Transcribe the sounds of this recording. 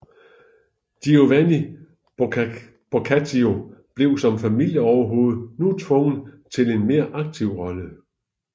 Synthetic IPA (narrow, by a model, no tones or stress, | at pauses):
d̥io̝ʋæni | b̥ʁokʰæt͡sʰio̝b̥le̝ʊsɒ̽mfæmil̰jəɒʊɐɦo̝ːð̞̩ˠnut͡sʰʋɔ̽ŋn̩t͡sʰe̝le̝nme̝ːɐʔɑ̈ɡ̥̚t͡sʰiʊ̰ʁɒ̽lə